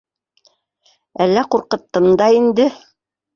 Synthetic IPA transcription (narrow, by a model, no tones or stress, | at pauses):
ælːæquɾqɤ̆t̪ːɤmd̪ɑind̪ɘ